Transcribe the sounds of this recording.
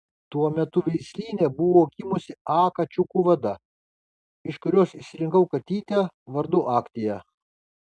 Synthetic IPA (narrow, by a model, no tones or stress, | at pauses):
t̪uɔmʲɛt̪ʊʋʲɛɪsʲlʲiːnʲebʊʋoːkʲimʊsʲɪɑːkɐt͡ʃʲʊkuʋɐd̪ɐ | ɪʃkʊɾʲoːsɪʃʲsʲɪɾʲɪŋkɐʊkɐt̪ʲiːt̪ʲɛʋɐɾd̪ʊʔɑːkt̪ʲɪjɛ